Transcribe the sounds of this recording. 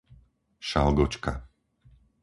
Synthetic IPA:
ʃalɡɔt͡ʃka

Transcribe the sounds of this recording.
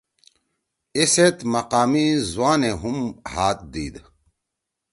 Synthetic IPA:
iset̪mɐqaːmizuwaːneɦumhaːt̪̚d̪iːd̪

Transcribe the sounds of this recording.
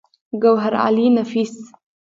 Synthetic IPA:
ɡawɦaɾa̰linafis

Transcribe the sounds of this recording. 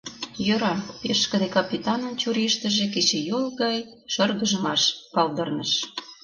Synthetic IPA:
jøɾɑpeʃkə̆d̪ekɑpʲit̪ɑnənt͡ɕuɾiʃt̪ə̆ʒek̬et͡ɕejolˠɣɑj | ʃɤrɣəʒə̆mɑʃpɑld̪ərnəʃ

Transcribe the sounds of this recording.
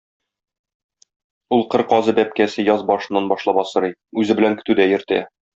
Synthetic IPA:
ulˠqɤɾqɒzɤbæp̚kæsɘjɒzbɒʃɤ̆nːɑnbɒʃlˠɑbɒsɤ̆ɾɤjʉzɘbɘ̆læŋkɵ̥̆t̪ʉd̪æjɘ̆ɾt̪æ̰

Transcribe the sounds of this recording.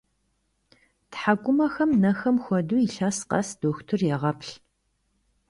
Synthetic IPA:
tħaɡʷʼʊmɐxɐmnɐxɐmxʷɔduːiɬaːsqɐ̰sd̥oːxtʰɨrjɛʁɐpʰɬ

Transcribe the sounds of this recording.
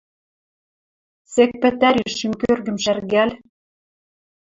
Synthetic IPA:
sek̚pɘ̆t̪æɾyʃːimkørɣɘ̆mʃærɣæl

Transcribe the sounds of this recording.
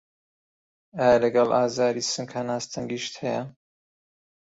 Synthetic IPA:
aːjalɐɡɑlaːzaːɾisɨŋkhɐnaːst̪ʰɐŋɡiʃt̪hɛjɐ

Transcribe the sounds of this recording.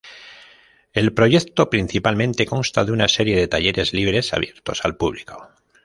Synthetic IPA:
e̞lpɾo̞ʝe̞kt̪o̞pɾin̟θipalmẽ̞nt̪e̞ko̞nst̪aðeunase̞ɾje̞ðe̞t̪aje̞ɾe̞zliβ̞ɾe̞sa̰βje̞ɾt̪o̞sa̰lpuβliko̞

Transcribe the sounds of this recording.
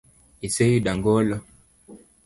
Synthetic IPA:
isejiɗaŋɡɔlɔ

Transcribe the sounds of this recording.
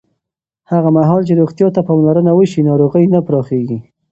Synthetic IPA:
haɣamaɦɑlt͡ʃeɾoɣt̪jɑt̪apɑmlaɾənawəʃinɑɾoɣəjnəpɾɑxeɡi

